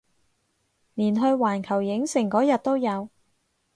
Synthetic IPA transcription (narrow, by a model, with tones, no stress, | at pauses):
niː˨˩nɦɵ˧ɥwaː˨˩nkʰɐ˨˩wjɪ˨˥ŋsɪ˨˩ŋkɔː˨˥jɐ˨t̚t̪o˥wjɐ˨˧w